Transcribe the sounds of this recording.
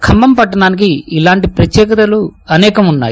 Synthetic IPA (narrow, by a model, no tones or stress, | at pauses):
kʰɐmbɐmpɐʈːɐɽaːnik̬iilaːɳʈipɾɐt̪jɛːkɐt̪ɐluɐnɛːkɐmunːa̰ːj